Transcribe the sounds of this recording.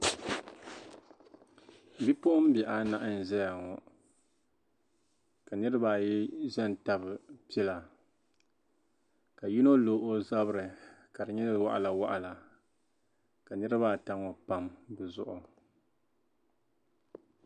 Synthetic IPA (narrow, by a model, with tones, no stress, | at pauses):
bi˦pʊ˦ʔʊ˦m˦bɛ˨ʔa˨na˦ʔɨ˦n̩˨zɛ˦ja˨ŋɔ˨ | ka˨nɨ˦ɾɨ˦ba˨jɛ˦ʒɛ˦n˨ta˦bɨ˨pi˦ɛ˦la˨ | ka˨ji˦no˦loː˨˦ʔo˦za˦bɾɨ˨ka˨dɨ˨ɲɛ˦wa̰˦ʔa̰˨la˨wa˦ʔa˨la˨ | ka˨nɨ˦ɾɨ˦ba˦ta˦ŋɔ˨pa˦mbɨ˨zʊ̰˦˨ʔʊ˨